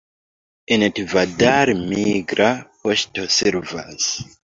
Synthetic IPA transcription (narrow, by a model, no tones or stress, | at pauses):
intvadaɾmiɡɾapoʃtosɛɾva̰s